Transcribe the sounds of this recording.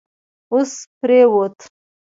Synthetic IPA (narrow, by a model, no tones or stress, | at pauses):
ospɾewot̪